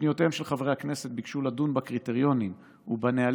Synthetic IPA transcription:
nijot̪eemʃelχavʁehaknese̞t̪̚bikʃuladunbakʁit̪e̞ʁjo̞nim | ubaneal

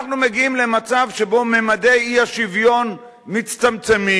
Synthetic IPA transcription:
aχnumeɡiimle̞mat͡savʃe̞bo̞memad̪e̞jiaʃivjo̞n | mit͡st̪amt͡semi

